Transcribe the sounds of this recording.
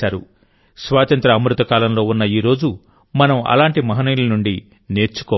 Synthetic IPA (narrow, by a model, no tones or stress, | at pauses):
aːɾṵ | sʋaːt̪ɐnt̪ɾɐːmɾut̪ɐkaːlɐmlo̞ːunːɐiːɾo̞ːd͡ʒu | mɐnɐmɐ̰laːɳʈimɐɦɐniːlɐnuɳɖi | ne̞ːɾt͡ʃu̥kɔː